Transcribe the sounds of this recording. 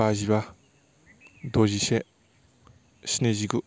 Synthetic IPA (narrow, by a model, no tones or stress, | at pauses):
aʑiβa | d̪oʑiɕe | ɕineʑiɡɯ